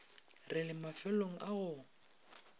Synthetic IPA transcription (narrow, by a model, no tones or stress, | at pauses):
rɪlɪmafɛloŋ̩ʔaɣʊ